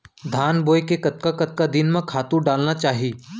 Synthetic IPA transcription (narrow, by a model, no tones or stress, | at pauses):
d̪ʱaːnboːjkekɐt̪̚kakɐt̪̚kad̪ɪnmẽkʰaːt̪ũɖaːlnat͡ʃaːɦieː